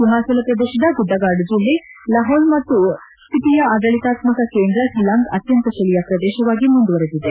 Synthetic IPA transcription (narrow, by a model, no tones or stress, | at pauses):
suɦaːsɐlɐpɾɐd̪eːʃɐd̪ɐɡud̪ːɐɡaːɾɖd͡ʒilːelɐɦoːlmɐt̪ːu | st̪ʰit̪ijɐɐːd̪ɐɭit̪aːt̪mɐkɐkeːnd̪ɾɐsilaːŋɡɐt̪jɐnt̪ɐʃɐlijɐpɾɐd̪eːʃɐʋaːɡimund̪uʋɐɾed̪id̪e